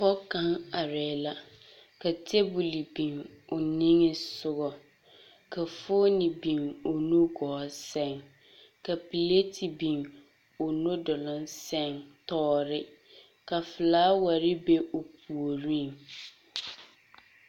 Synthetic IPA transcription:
fɔ˦kã˦ŋa˨ɾɛ˨la˦ | ka˨tʰe˦bu˨li˨bĩ˨ŋʊ˨nĩ˦ŋɪ˦sʊ˦ɣɔ˨ | kʰa˨fo˦nɪ̃˨bĩ˨ŋʊ˨nũ˦ɡɔː˨˦sɛ̃˦˨ŋ | ka˨pi˨le˦tʰi˨bĩ˨ŋ | ʊ˨nʊ̃˦dɔ˨lʊ̃˦nsɛ̃˦˨ŋtɔː˦ɾɪ˦ | ka˨fɪ˨laː˦wa˨ɾɪ˦be˦ʔo˨pʰu˨o˨ɾĩ˦ŋ

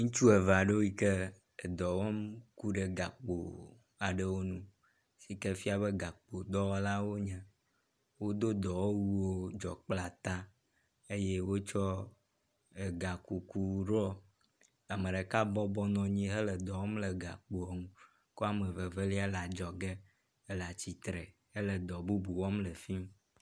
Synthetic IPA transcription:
ŋũ˦t͡ʃu˦e˨va˨ɖe˦wi˦ke˦ | e˨d̪ɔ˨wɔ˦mku˦ɖe˨ɡa˨k͡po̰˨ | a˨ɖə˦wo˦nũ˦ | si˨ke˦fi˦a˨βe˦ɡa˨k͡po˨d̪ɔ˦wɔ˦la˦wo˦ɲɛ̃˦ | wo˦d̪o˦d̪ɔ˨wo˦wu˦wo˦d͡ʒɔ̰˨k͡pla˨t̪a˦ | e˦je˦wo˦t͡ʃɔ˦ | e˨ɡa˨ku˨ku˨ɖɔ˦ | a˨mə˨ɖe˨ka˦bɔ˦bɔ˦nɔ̃˨ɲĩ˦ɦə˦lə˨d̪ɔ˨wɔ˦mlə˨ɡa̰˨k͡po˨ŋũ˦ | ko˦a˦mə˨və˨ve˦li˦a˦la˨d͡ʒɔ˨ɡe˦ | e˦la˨t͡ɕi˨t̪ɾɛ˨ | e˦lə˨d̪ɔ˨bu˦bu˨wɔ˦mlə˨fi˦m

